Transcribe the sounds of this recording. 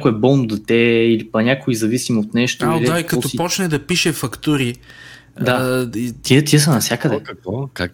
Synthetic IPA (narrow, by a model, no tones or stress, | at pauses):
kʊɛbɔnd̪ot̪ɛilipɐnʲakoizɐvisimot̪nɛʃt̪aod̪aikɐɔpɔt͡ʃnɛd̪ɐpiʃɛfɐkt̪uɾi | d̪ait̪it̪iɛsənɐfsjakəd̪ɛɐkvɔa